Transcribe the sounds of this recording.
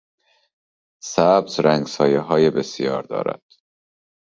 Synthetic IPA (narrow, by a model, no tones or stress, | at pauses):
sæbzɾæŋɡsɒːjeɦɒːjebesjɒːɾd̪ɒ̰ːɾæ̰d̪̥